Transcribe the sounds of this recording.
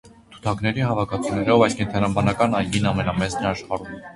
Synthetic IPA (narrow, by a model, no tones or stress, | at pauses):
t̪ʰu̥t̪ʰɑknɛɾihɑvɑkʰɑt͡sʰunɛɾɔvɑjskɛnt̪ʰɑnɑbɑnɑkɑnɑjɡinɑmɛnɑmɛt͡snɛɑʃχɑɾum